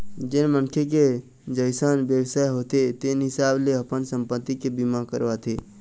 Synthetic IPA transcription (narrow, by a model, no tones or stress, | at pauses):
d͡ʒɪnmənkʰek̬e | d͡ʒəɪsaːnbjəwsaːjɦoːt̪et̪enɦɪsaːbleəpənsə̃mpət̪ːikebimakə̰ɾʋat̪ʰe